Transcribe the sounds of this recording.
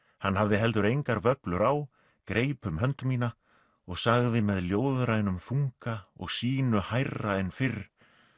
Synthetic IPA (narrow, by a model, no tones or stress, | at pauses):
hanːɦavðɪɦɛlt̪̬ʏɾejŋkaɾvœplʏɾaw | kɾeːjpʏmɦœnt̪ʏmiːna | ɔɣsaɣðɪmɛðljoːwðɾajnʏmfuŋkaɔ̰ɣsiːnʏhajraɛnfɪɾ